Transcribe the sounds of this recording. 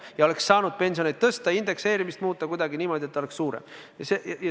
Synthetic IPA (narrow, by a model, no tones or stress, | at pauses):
jɑo̞e̞ksːɑːnud̪̥̚pe̞nʲsio̞ned̪̥̚t̪ɤst̪ɑind̪̥e̞kse̞ːɾimist̪muːt̪ːˑɑkujd̪ɑɡiniːmo̞d̪ʲiet̪ːole̞ksːuːɾḛjɑsejɑjɑ